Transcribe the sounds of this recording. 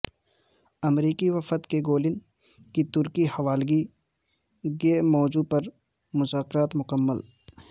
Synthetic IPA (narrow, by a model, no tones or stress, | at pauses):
ɐmɾiːkiʋɐfət̪keɡoːlɪn | kit̪ʊɾkihɐʋaːlɡi | ɡemɔːd͡ʒuːpɐɾ | mʊzaːkɪɾaːt̪mʊkəmːəl